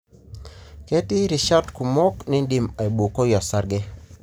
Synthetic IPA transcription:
kɛ˦tɪ˦ɾɪ˨ʃa˦tku˨mɔ˦knɪ˦ndi˨ma˨i˨bu˨ko˦jɔ˨sa˦ɾɡɛ˦

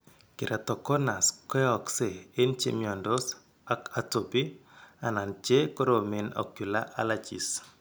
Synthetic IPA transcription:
kɪ˨ɾa˨tɔ˨kɔ˦na˨skɛ˦ɔ˨kse˨e˦nt͡ʃḛ˦mjɔ˨ndɔ˦s | a˦ka˨to˨bi˦a˨na˨nt͡ʃe˦kɔ˦ɾo˨me˨nɔ̰˨kju˨la˦ʔa̰˦la˨t͡ʃḭ˨s

